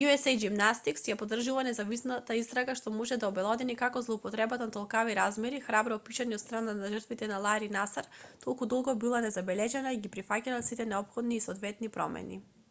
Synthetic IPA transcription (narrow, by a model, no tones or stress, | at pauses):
juɛsɛjɡimnast̪iksjapod̪r̩ʒuvanɛzavisnat̪aist̪ɾaɡaʃt̪ɔmɔʒɛd̪aɔbɛlˠɔd̪ɛnikakɔzlˠɔupɔt̪ɾɛbat̪anat̪ɔlˠkaviɾazmɛɾixɾabɾɔpiʃaɲɛɔt̪st̪ɾananaʒərɾt̪vit̪ɛnalˠaɾinasaɾt̪ɔlˠkud̪ɔlˠɡɔbilˠanɛzabɛlɛʒɛnaiɡipɾifacalˠasit̪ɛnɛɔpxɔd̪niːsɔd̪vɛt̪nipɾɔ̰mɛ̰nḭ